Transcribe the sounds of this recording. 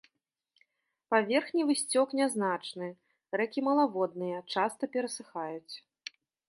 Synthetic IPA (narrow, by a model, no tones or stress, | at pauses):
pavʲɛrxnʲivɨsʲt͡sʲɔknʲaznat͡ʂnɨ | rɛkʲimɐlˠavɔd̪nɨjɐt͡ʂast̪ɐpʲɛɾɐsɨxajut͡sʲ